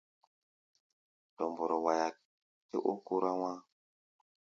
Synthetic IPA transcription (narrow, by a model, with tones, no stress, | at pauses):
to˨mbo˨ɾo˨wa˨ja˨ | tḛ˦ʔu˦ku˦ɾa˦wa˦